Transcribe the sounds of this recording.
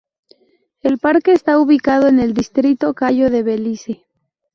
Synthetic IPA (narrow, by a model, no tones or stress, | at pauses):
elpaɾke̞ːst̪auβikað̞oene̞ld̪ist̪ɾit̪o̞kaʝo̞ðe̞βelise